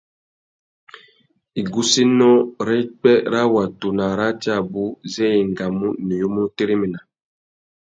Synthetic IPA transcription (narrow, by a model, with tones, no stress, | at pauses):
i˨ɡu˦si˦nɔ˦ɾɛ˦i˦k͡pɛ˦ɾa˦wa˨tu˨na˨ɾa˦t͡ʃa˦˨bu˦zɛ˦je˨ŋɡa˨mu˦ni˨jo˦mu˦te˦ɾi˦mi˨na˨